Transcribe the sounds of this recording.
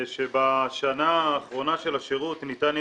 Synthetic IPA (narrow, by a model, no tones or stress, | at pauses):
ʃebaʃanaːχʁo̞naʃe̞laʃeʁut̪nitan